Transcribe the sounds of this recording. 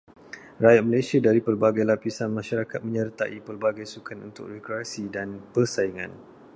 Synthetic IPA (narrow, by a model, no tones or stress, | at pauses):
rajat̪̚məlajsiadaɾipərbaɡajlapisanmãʃaɾakat̪̚mə̃ɲərt̪a̰ʔipərbaɡajsukʰanṵnt̪ʊ̰krɛkɾiasidanpərsaiŋã̰n